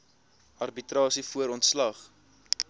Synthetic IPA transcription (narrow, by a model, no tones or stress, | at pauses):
ɐrbitrɑːsifuəɾɔntslɐχ